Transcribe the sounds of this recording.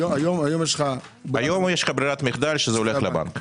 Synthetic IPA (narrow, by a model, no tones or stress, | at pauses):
ajomajomjeʃlχa | bajomjeʃlχabɾiɾat̪miχd̪alʃezeoleχleba̰ŋk